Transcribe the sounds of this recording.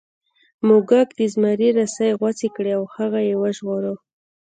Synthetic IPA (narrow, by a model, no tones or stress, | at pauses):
moɡakd̪izmaɾiɾasajɣwat͡sekɽeawhaɣajewəʒɣoɾə